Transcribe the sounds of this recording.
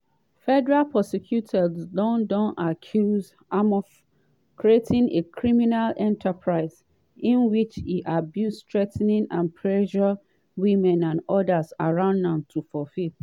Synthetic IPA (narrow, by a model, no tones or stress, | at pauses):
fɛdɛɹalpʰɔsɛkʰjutʰɛdzdɔ̃ndɔ̃nakʰjuz | amɔ | kʰɹietʰĩnekʰɹiminalɛ̃ntʰapʰɹaɪz | ĩnwit͡ʃiʔabjusstɹɛtnĩnʔãnpʰɹɛʃɔ | wĩmɛ̃nãnɔdasaɹãʊ̃ndãmtʰufɔfil